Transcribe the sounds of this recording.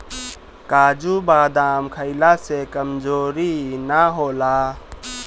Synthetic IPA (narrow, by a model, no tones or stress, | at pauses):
kaːd͡ʒubaːd̪aːmkʰəɪlasekəmd͡ʒoːɾinaɦoːla